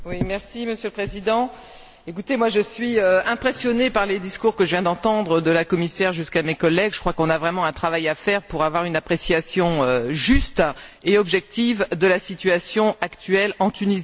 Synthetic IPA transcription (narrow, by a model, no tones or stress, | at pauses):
wimɛʁsiməsjøləpχezid̪ɑ̃ | ekut̪emwaʒəsɥiøɛ̃pχesjɔnepaʁled̪iskuʁkəʒəvjɛ̃d̪ɑ̃t̪ɑ̃d̪ʁəd̪əlakɔmisɛʁʒyskamekɔlːɛɡʒə̥kχwakɔ̃navʁɛmɑ̃ɛ̃t̪χavajafɛʁpuʁavwaʁynapχesjasjɔ̃øʒyst̪eɔbʒɛk̚t̪ivd̪əlasit̪yasjɔ̃akt̪ʰɥɛlɑ̃t̪ynizi